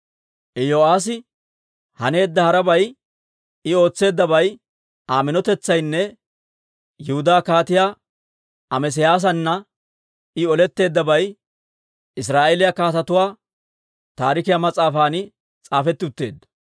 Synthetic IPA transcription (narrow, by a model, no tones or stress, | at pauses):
ʔɛjoːaːs̬ɪ | hɐne̞ːd̪ːɐhɐɾɐbɐj | ɪo̞ːt͡sːe̞ːd̪ːɐbɐj | aːmɪnɔt̪ɛt͡sːɐjnːɛ | jʊhʊd̪aːkaːt̪ɪjaː | ɐmɛs̬ɛjaːs̬ɐnːɐ | ɪɔlɛt̪ːe̞ːd̪ːɐbɐj | ɪs̬ɾaːʔelɪjakaːt̪ɐt̪ʊwaː | t̪aːɾɪkɪjamɐt͡sʼaːfaːnɪ | t͡sʼaːfɛt̪ːɪʊt̪ːe̞ːd̪ːɐ̥